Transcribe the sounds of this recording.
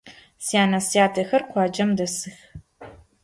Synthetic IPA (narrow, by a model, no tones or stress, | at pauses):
sjaːnɐsijaːtʰɐxɐrqʷɑːd͡ʒɐmdɐsɨx